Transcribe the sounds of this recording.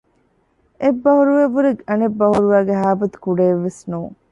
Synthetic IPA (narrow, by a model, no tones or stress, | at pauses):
ebːɐhuɾuʋeʋːuɾeɡɐnebːɐhuɾuʋæːɡeɦaːbɐt̪u̥kuɖeːʋːesnuːŋ